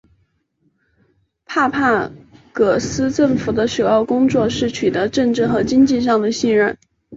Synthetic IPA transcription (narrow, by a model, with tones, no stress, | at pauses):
pʰa˥˧pʰa˥˩kɤ˨˩sɹ̩˥ʈ͡ʂɤ˥˩ŋfu˨˩d̪ə˦ʂo˨˩ʊjɑ˥˩ʊkʊ˥ŋt͡swɔ˥˧ʂɻ̩˥˩t͡ɕʰy˨˩t̪ɤ˧˥ʈ͡ʂɤ˥˧ŋʈ͡ʂɻ̩˥˩xɤ˧˥t͡ɕi˥ŋt͡ɕi˥˧ʂ̬ɑ˥˩ŋd̪ə˩ɕi˥˧nɻə˥˩n